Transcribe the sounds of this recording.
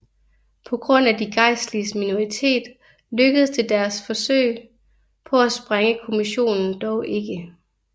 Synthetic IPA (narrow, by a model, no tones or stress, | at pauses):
pʰɒ̽ɡ̥ʁɔ̽n̰ædiɡ̥ɑ̈ɪ̰slismino̝ʁit͡sʰe̝̰ːd̥ | løɡ̥əð̞̩ˠst͡sʰe̝ld̥æɐsfɒ̽sø̰ɪ̰ | pʰɒ̽æsb̥ʁaŋəkʰo̝miɕo̝̰ːnn̩d̥ɒʊʔe̝ɡ̥ə